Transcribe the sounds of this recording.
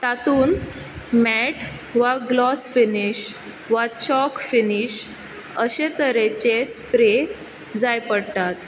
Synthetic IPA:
t̪at̪uːn | mɛʈ | ʋaɡlɔsfiniɕ | ʋat͡ɕɔkfiniɕ | əɕet̪əɾet͡ɕespɾe | d͡zajpəɽt̪at̪

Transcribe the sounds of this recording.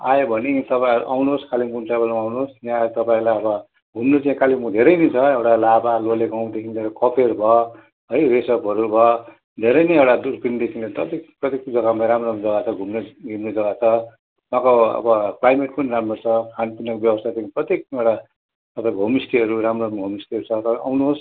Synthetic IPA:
ajobʱʌnit̪ʌpaĩɦʌɾṵʔawnoskalimkunt͡sabʌnũawnosnjãt̪ʌpaĩlajʌbʌ | ɡʱumnot͡sãĩkalimud̪ʱeɾʌjnit͡sʰʌewʈalabaloleɡaw̃d̪ekʰinleɾʌkʌpʰerbʱʌ | ɦʌjresʌbʱʌɾubʱʌ | d̪ʱeɾʌjneewʈad̪uɾkrind̪ekʰinlet̪ʌt̪ikprʌt̪jekd͡zʌɡamaɾamroɾud͡zʌɡat͡sʰʌɡʱumneɡʱimned͡zʌɡat͡sʰʌ | mãkoʌ̰bʌklajmeʈpʌniramʌt͡sʰʌkʰanpinʌkbjʌbʌst̪ʰat͡saĩprʌt̪jek̚ewɽa | t̪ʌpãĩkɦomisʈiɦʌɾuɾamrouɡʱomisʈiʌɾut͡sʰʌt̪ʌɾawnuɦos

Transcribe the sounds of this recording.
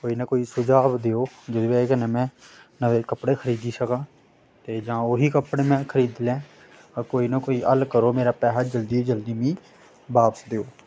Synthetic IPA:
koːiːnəkoːiːsʊd͡ʒaːʋd̪eːoːd͡ʒod̪ebeːkənə̃ːmɛ̃ːnəʋeːkəpɽeːkʰəɾiːd̪iːsəkãː | t̪eːd͡ʒãːoɦiːkəpɽeːmɛ̃ːkʰəɾiːd̪lẽː | koːiːnəkoːiːʔəlkəɾoːmeːɾaːpɛːɦaːd͡ʒəld̪iːod͡ʒəld̪iːmĩː | baːpəsd̪eːoː

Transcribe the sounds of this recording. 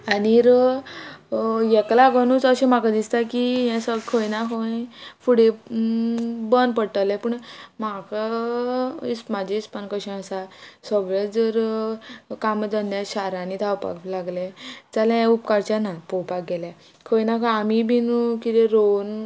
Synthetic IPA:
aniɾə | jɛklaɡənut͡səɕẽmakad̪ist̪akijɛ̃səkʰəjnakʰə̃fuɽe | bənd̪pəɽʈəlɛpuːɳmaka | ismad͡ʑʱeispənkəɕĩəsasəɡɭed͡zəɾ | kamd͡zənd̪jaɕaɾãnit̪ʰawpa̰klaɡlet͡salãjɛ̃upkaɾt͡ɕanapɔwpak̚ɡɛla | kʰəjnakʰə̃amibinukit̪eɾon

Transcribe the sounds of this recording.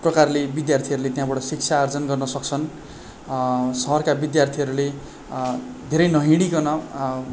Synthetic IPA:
prʌkarlebid̪jart̪ʰiʌɾulet̪jãbaʈʌsik̚t͡sʰaːrd͡zʌnɡʌrnʌsʌk̚t͡sʰʌn | sʌɦʌrkabid̪jart̪ʰiɦʌɾule | d̪ʱeɾʌjnʌɦĩɽ̃ikʌnʌ

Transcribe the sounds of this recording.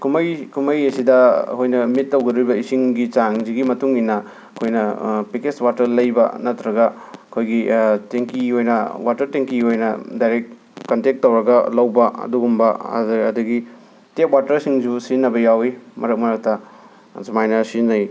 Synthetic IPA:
kʰumɐjkʰumɐjɐsidɐ̰hojnɐmitːɐwɡɐdujbɐisiŋɡit͡ʃaŋziɡimɐtuŋinːɐ | ɐkʰojnɐpikeswatɐɾlɐjbɐ̰nɐtɾɐɡɐɐkʰojɡiteŋkiɦojnɐwatɐɾteŋkiɦojnɐ̰dajɾek̚ | kːɐntek̚tːɐwɾɐɡɐlɐwbɐɐ̰duɡumbɐ̰zɐ̰dɐɡi | tep̚watɐɾsiŋzusinːɐbɐjawimɐɾɐk̚mɐɾɐk̚tɐ | zumajnɐsinːɐj

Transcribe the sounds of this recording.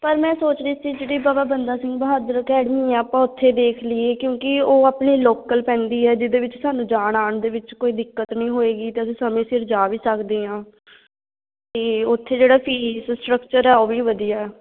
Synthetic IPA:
pəɾmɛ̃ːsoːt͡ʃd̪iːsiːd͡ʒeːɽiːbaːbaːbənd̪aːsɪ̃ŋɡbəɦaːd̪əɾəkɛːɽmiːɛːaːpãːʊt̪ʰːeːd̪eːkʰlieːkjõːkɪoːaːpɳiːloːkəlpɛ̃ːnd̪iːɛːd͡ʒɪd̪eːʋɪt͡ʃsaːnũːd͡ʒaːɳaːɳd̪eːʋɪt͡ʃkoːiːd̪ɪkːət̪nĩːɦoːeːɡiːt̪eːəsĩːsəmẽːsɪɾd͡ʒaːʋiːsəkd̪eːɦãː | t̪eːʊt̪ʰːeːd͡ʒeːɽaːpʰiːssʈɾəkt͡ʃəɾɛːoːʋiːʋəd̪ijaː

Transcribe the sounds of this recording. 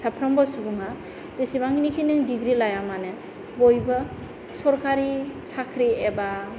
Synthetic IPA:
sapʰɾɔmbɔsubuŋa | zesibaŋinikʰinɯŋdiɡɾilajamane | bojbɯ | sɔɾkaɾisakʰɾieba

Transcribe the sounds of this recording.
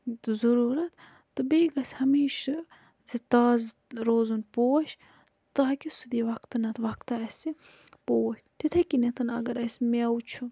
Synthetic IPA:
zɐɾuːɾɐt̪ | t̪ɨbeːɡɐsʲhɐmiːʃɐ | zit̪aːzɾoːzunpoːɐʃ | t̪aːkʲisud̪iːʋɐkt̪ɨnɐt̪ʰʋɐkt̪ɐɐsʲi | poːʃt̪it̪ʰɐkinet̪ɐnɐ̰ɡɐɾɐsʲmewt͡ʃʰu

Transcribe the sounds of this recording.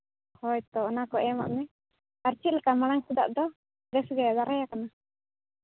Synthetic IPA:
hɔjt̪ɔːnakɔʔɛma̰ʔmɛ | aɾt͡ʃit̪̚lɛkamaɽaŋsud̪a̰ʔd̪ɔ | ɡɛsɡajad̪aɾajakana

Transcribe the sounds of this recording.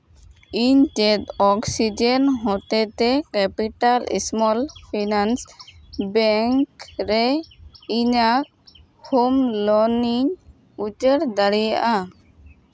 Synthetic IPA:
iɲt͡ʃet̪ɔksid͡ʒenɦɔt̪et̪ekɛpiʈalḭsmɔlpʰinansbɛŋkɾeiɲak̚ | homlɔniɲ | ut͡ʃeɾd̪aɽijaʔa

